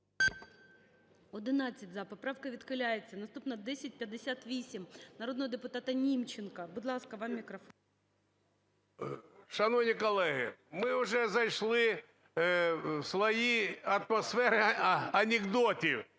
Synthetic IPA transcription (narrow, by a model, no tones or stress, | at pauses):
ɔd̪ɪnɑt͡sʲːɐtʲzɐpɔpɾɑwkɐʋʲit̪kɪlʲajet͡sʲːɐnɐst̪upnɐd̪ɛsʲɐt̚ʲpʲjɐd̪ːɪsʲat̪ʋʲisʲimnɐɾod̪nɔɦɐd̪ɪpʊt̪ɑt̪ɐnʲimt͡ʃɪnkɐbʊd̪lˠɑskɐʋɑmːʲikɾɐfon | ʃɐnɔʋnʲikɔlˠɛɦɪ̰mɪʊʐɛzɐjʂlˠɪ | sʋɐjiɐt̪mɐsfɛɾɪɐnʲɪɡd̪ɔtʲi